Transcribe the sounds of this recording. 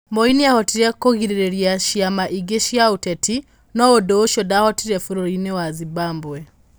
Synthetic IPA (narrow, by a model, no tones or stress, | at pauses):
mbɔiniahɔtiɾɛkoɣiɾiɾɛɾjaʃiamaʔiɡeʃjautɛtʰi | nɔwɔdoːʃɔdahɔtiɾɛfuɾɔɾinɛwazibaːmbwɛ